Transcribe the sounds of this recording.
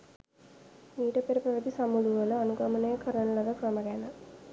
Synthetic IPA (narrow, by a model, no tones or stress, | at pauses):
miːʈɐpeɾɐpɾɐʋɐt̪isɐmuluʋɐlɐɐnuɡɐmɐnɐjɐkʰɐɾɐnɐlɐʋɐkɾɐmɐɡɛnɐ